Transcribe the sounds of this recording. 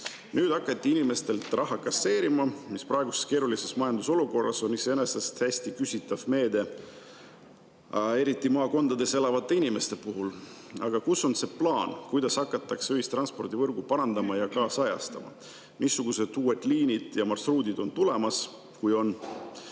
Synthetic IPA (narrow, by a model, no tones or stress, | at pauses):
nyːd̪ɑkːˑɑt̪ːˑiinʲime̞st̪e̞lt̪rʔɑɦːɑkɑsːe̞ːɾimɑmispɾɑe̞ɡuseske̞ːɾulise̞smɑjɑnd̪uso̞luko̞rːɑso̞niseenesɑst̪hæsʲt̪ikysʲit̪ːˑɑvme̞ːd̪e̞ | e̞ɾit̪ːˑimɑːko̞nd̪̥ɑd̪e̞se̞lɑvɑt̪ːˑe̞inʲime̞st̪e̞puɦul | ɑɡ̥ɑkuso̞nse̞plɑːnkujd̪̥ɑshɑkːˑɑt̪ːˑɑksøɦist̪ɾɑnspo̞rd̪̥ivɤrɡ̥upɑɾɑnd̪̥ɑmɑjɑkɑːsɑjɑ̰st̪ɑmɑ̰ | misːuɡ̥use̞d̪uːwe̞d̪liːnid̪̥jɑmɑrsruːd̪ʲid̪o̞nt̪ule̞mɑs | kujo̞n